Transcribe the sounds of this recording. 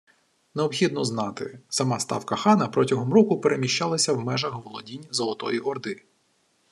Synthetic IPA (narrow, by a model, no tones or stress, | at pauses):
neɔbxʲid̪̚nɔznɑt̪ɪ̰sɐmɑst̪ɑ̰wkɐxɑnɐpɾɔtʲɐɦɔmɾɔkʊpeɾemʲiʃt͡ʃɑlˠɐsʲɐwmɛʒɐxʋɔlˠɔdʲinʲzɔlˠɔt̪ɔ̰jiʔɔrd̪ɪ